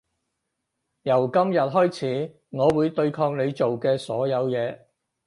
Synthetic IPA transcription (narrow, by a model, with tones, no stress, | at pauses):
jɐ˨˩wkɐ˥mjɐ˨t̚ɦɔː˥jt͡sʰiː˨˥ | ŋɔː˨˧wuː˨˧jt̪ɵ˧ɥkʰɔː˧ŋne˨˧jt͡so˨wkɛː˧sɔː˨˥jɐ˨˧wjɛː˨˧